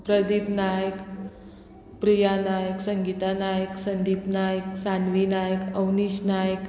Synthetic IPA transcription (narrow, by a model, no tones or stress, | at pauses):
pɾəd̪ipnajək | pɾijanajəksəŋɡit̪anajəksənd̪ipnajəksanʋinajəkəwnisnajək